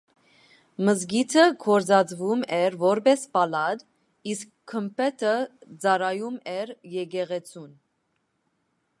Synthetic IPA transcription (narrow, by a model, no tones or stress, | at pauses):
məzɡit̪ʰəkʰɔɾd͡zɑd͡zvumɛɾvɔɾbɛspɑlɑd̪ | iskʰːəmpʰɛt̪ʰəd͡zɑɾɑjumɛɾjɛɡɛʁɛt͡sʰun